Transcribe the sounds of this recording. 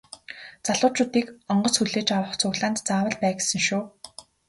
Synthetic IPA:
t͡saɮʊːt͡ɕʊːt̪iːkɔɴɢɞ̆sxuɮeːt͡ɕawə̆χt͡sʰʊɣɮaːnt̪t͡saːwə̆ɮpæːɡesə̆ŋʃuː

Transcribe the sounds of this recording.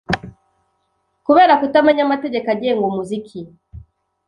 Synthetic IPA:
kuβɛɾakutamaɲamatɛɟɛkaɟɛŋɡɔmuzikʰi

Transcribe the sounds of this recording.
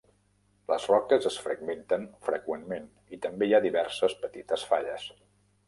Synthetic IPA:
ləzrɔkəzəsfɾəɡment̪ənfɾəkwenmen | it̪əmbeiaðiβɛɾsəspət̪it̪əsfaʎəs

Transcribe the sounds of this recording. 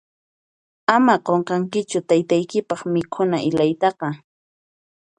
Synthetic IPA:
amaqoɴqɑŋkɪt͡ʃʊt̪ajt̪ajkɪpɑχmɪkʰʊnaʔɪlajt̪ɑqɑ

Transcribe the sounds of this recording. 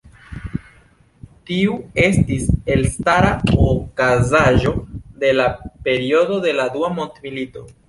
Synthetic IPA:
tiue̞stise̞lstaɾaokazaʒo̞de̞lape̞ɾio̞do̞de̞laduamo̞ntmilito̞

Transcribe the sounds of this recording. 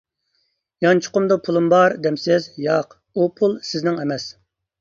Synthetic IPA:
jɑnt͡ʃʰʊ̥qʊmd̪upʰulˠumbɑɾd̪ɛmsɪzjɑq | upʰulˠsɪznɪŋɛmɛs

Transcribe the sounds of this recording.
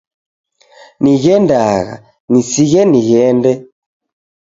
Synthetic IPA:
niɣɛndaɣa̰ | nisiɣɛniɣɛndɛ

